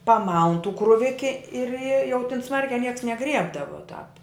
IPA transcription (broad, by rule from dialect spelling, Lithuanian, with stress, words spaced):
pɐˈmɐʊn tuː krʊˈʋʲɪkʲɪ ɪr ɪ jɛʊ tʲɪn ˈsmɐrʲkʲæː ˈnʲiɛks nʲɛˈɡrʲiɛbdɐʋɐ tɑːp